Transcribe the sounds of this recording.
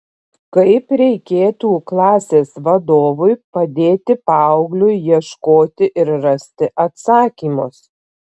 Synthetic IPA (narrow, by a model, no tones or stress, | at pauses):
kɐɪpɾʲɛɪkʲeːt̪uːklˠɑːsʲeːsʋɐd̪oːʋʊɪpɐd̪ʲeːt̪ʲɪpɑʊɡlʲʊɪjiɛʃkoːt̪ʲɪʔɪɾɾɐsʲt̪ʲɪʔɐt̪sɑːkʲiːmʊs